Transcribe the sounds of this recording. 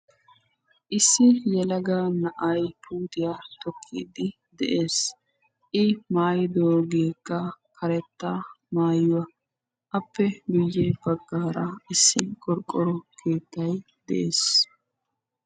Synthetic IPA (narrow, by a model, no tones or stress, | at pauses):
ʔɪsːɪjɛlɐɡaːnɐʔɐjpʰuːt̪ɪjat̪ɔkʰːḭːd̪ɪ | d̪ɛ̰ʔe̞ːs | ʔɪmaːjɪd̪oːɡeːkːɐkʰɐɾɛt̪ːaː | maːjʊwɐ | ʔɐpːɛɡʊjːeːbɐɡːaːɾɐɪsːɪkʼɔɾkʼːɔɾɔkʰe̞ːt̪ːɐj | d̪ɛ̰ʔeːs